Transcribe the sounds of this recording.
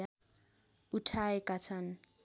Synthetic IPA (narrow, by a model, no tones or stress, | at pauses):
a | utʰaekat͡sʰan